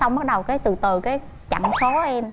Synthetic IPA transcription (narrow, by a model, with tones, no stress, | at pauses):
sa˧wŋ͡mɓa˦˥t̚ɗə˨˩wkaː˨˦jt̪ɨ˨˩t̪ɨ˨˩kaː˨˦j | t͡ɕa̰˧˩˨ŋso˨˦ʔɛ˧m